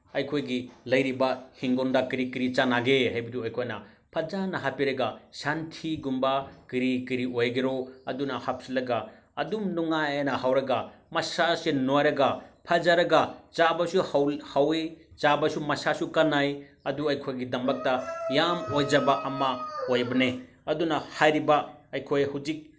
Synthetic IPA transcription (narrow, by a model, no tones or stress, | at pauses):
ɐjkʰojɡilɐjɾibɐhiŋɡondakiɾikiɾit͡ʃanaɡehajbɐduɐjkʰojnɐ̰ | pʰɐd͡ʒanɐɦapiɾɐɡasantʰiɡumbɐkiɾikiɾiojɡeɾoɐdunɐhap̚silɐɡa | ɐdumnuŋajnɐhawɾɐɡamɐsasenojɾɐɡapʰɐd͡ʒaɾɐɡat͡ʃabɐsuhawhawet͡ʃabɐsumɐsasukɐnajɐduɐjkʰojɡidɐmbɐk̚tɐjamojd͡ʒɐbaʔɐmɐojbɐne | ɐdunɐhajɾibaɐjkʰojhud͡ʒik̚